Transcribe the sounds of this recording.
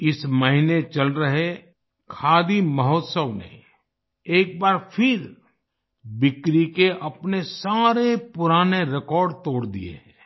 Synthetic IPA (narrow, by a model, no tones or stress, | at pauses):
ɪsmɐɦinet͡ʃɐlɾɐɦe | kʰaːd̪imɐɦɔːt̪səʋnḛ | eːk̚baːɾpʰɪɾ | bɪkɾikeʔɐpnesaːɾepʊɾaːneɾɪkɔːɾɖt̪oːɽd̪ḭjḛɦɛ